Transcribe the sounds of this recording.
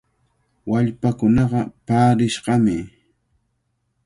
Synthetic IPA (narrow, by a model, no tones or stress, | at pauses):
waʎpakʊnɑɢɑpaːɾɪʃɢɑmɪ